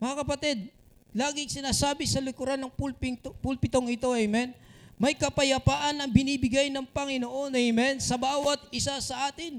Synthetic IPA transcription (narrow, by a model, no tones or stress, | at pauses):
mɐŋakɐpɐt̪id̪̚ | laːɡɪŋsɪnaːsaːbɪsɐlʊkʊɾanɐŋpulpɪŋt̪pulpɪt̪oŋɪt̪o̞ʔɐjmɛnmɐjkɐpɐjɐpaːʔɐnːɐŋbɪniːbɪɡajnɐŋpɐŋɪnoʔo̞nɐjmɛnsɐbaːwɐt̪̚ɪsasɐʔaːt̪ɪn